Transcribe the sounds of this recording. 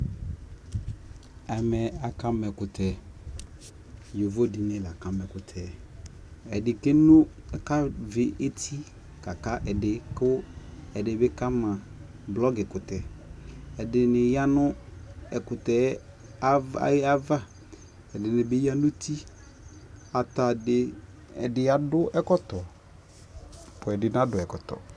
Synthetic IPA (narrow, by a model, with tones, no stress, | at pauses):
ɛ˨mɛ˨a˨ka˦mɛ˨kʊ˨tʰɛ˨ | jo˨vo˦di˨nɪ̃˦la˨ka˦mɛ˨kʊ˨tʰɛ˨ | ɛ˨dɪ˨ke˦nʊ˦ | ɛ˨ka˦vɪ˨ʔe˦tʰi˦ | ka˨ka˦ʔɛ˨dɪ˨kʊ˦ɛ˨dɪ˨bɪ˦ka˦mã˨ | blɔ˦ɡɪ˨kʊ˨tɛ˨ | ɛ˨dɪ˨nɪ˨ja˦nʊ˦ɛ˨kʊ˨tɛ˨˦ | a˦va˦ | ɛ˨dɪ˨nɪ˨bɪ˦ja˦nʊ˦ti˦ | a˨ta˨dɪ˨ | ɛ̰˨dɪ˦a˨dʊ˦ʔɛ˦kɔ˦tɔ˨ | pʊ˨ɛ˨dɪ˨n˦a˦dʊ˨ɛ˨kɔ˨tɔ̰˨